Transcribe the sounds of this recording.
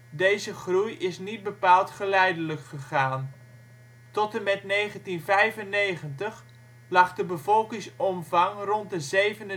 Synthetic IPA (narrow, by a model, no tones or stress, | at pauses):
dejzəχrujɪsnit̚bəpaːlˠtχəlɛjdələkχəχaːn | tɔtəmɛtneːχəntinvɛjvəneːχəntəχ | lɑχdəbəvɔlˠkɪŋsɔmvɑŋrɔnt̚dəzejvənə